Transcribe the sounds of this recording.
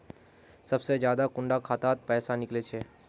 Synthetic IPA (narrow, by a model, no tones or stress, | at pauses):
sɐbsed͡ʒjaːd̪akʊɳɖakʰaːt̪aːt̪̚pɛːsanɪklet͡ʃʰeː